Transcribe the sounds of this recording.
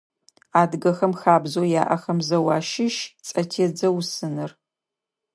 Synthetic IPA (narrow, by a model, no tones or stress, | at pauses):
aːdɡɐxɐmxaːbzoːja̰ːʔɐxɐmzɐwɑːʃɪʃt͡sʼɐtʰeːd͡zɐwsɨnɨr